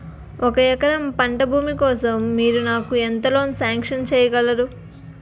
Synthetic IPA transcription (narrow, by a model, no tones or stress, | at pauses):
ʔɔkɐjɛkɐɾɐmpɐɳʈɐbʱuːmikɔːsɐmːiːɾunaːkuent̪ɐloːnsaːŋkʂɐnt͡ʃɛːjɐɡɐlɐɾu